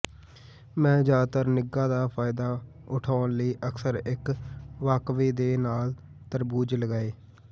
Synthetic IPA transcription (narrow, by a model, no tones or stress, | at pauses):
mɛ̃ːd͡ʒaːt̪əɾnɪɡaːd̪aːpʰaːɪd̪aː | ʊʈʰaːnləiːʔəksəɾɪkʋaːkʋiːd̪eːnaːl | t̪əɾbuːd͡ʒləɡaːeː